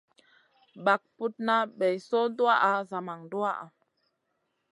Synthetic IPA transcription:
ba˨k̚pu˦t̚na˦ɓe˨jso˦du˦a˦ʔa˨za˨ma˨ŋdu˦a˦ʔa̰˨

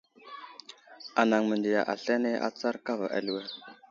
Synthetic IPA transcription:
a˨na˨ŋmə˨ndi˨ja̰˨ʔa̰˨ɬe˦ne˦ʔa̰˦t͡sa˦ɾka˦va˨ʔa̰˨li˨wɛ˦˨ɾ

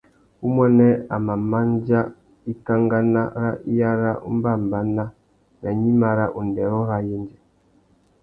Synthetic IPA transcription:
u˦mwɛ˦nɛ˦a̰˨ma˨ma˦nd͡ʒa˦ | i˦ka˦ŋɡa˦na˦ɾa˦ʔi˦ja˦ɾa˦ṵ˦m˦ba˦˨mba˨˦na˦ | na˨ɲi˦ma˨ɾa˦ʔu˨ndɛ˨ɾɔ˦ɾa˦ji˦nd͡ʒɛ˨

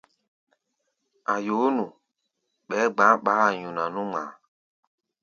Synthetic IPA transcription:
a˨jo˨˦nũ˨ | ɓɛ˨˦ɡ͡ba˨˦ɓaː˨˦˨ɲũ˨na˨nũ˦ŋ͡ma̰ː˨˦

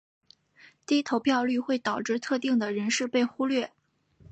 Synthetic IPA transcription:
t̪i˥˧˥t̪ʰo˧˥ʊpʰjɑ˥˧ʊly˥˧xwe˥˩ɪt̪ɑ˨˩ʊʈ͡ʂɻ̩˥˧t̪ʰɤ˥˧t̪i˥˩ŋd̪ə˩ɻə˧˥nʂɻ̩˥˧pe˥˩ɪxu˥lɥɛ˥˩

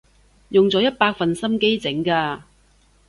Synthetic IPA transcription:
jʊ˨ŋt͡sɔː˨˥jɐ˥t̚paː˧k̚fɐ˨nsɐ˥mke˥jt͡sɪ˨˥ŋkaː˧

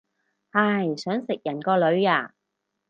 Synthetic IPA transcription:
hɐ˨˧˩jsœː˨˥ŋsɪ˨k̚jɐ˨˩nkɔː˧lɵ˨˧˥ɥaː˧˩

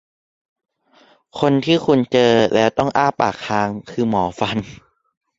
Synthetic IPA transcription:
kʰo˧nt̪ʰiː˥˩kʰu˧nt͡ɕɤː˧lɛ˦˥wt̪ɔ˥˩ŋʔaː˥˩pa̰ː˨˩k̚ʰːaː˨˧˥ŋkʰɯː˧mɔː˩˦fa˧n

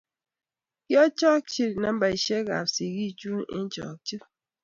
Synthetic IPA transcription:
kjɔ˦t͡ʃɔ˦k̚t͡ʃi˦tna˨m˦ba˨i˨ʃe˦ɡa̰˨psi˨ɡi˦t͡ʃu˦ḭ˦n˦t͡ʃɔ̰˨k̚t͡ʃi˦

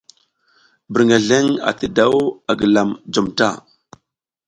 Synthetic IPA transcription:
bə˨ɾŋa˨ɮe˦ŋa̰˨tə˨da˦wa˨ɡə˨la˨md͡ʒo˨mta˦˨

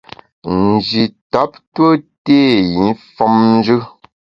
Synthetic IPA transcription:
n̩˨d͡ʒi˨ta˨˦p̚twə˦teː˦˨ji˨˦nfɔ˦mn̩˦d͡ʒʉ˦

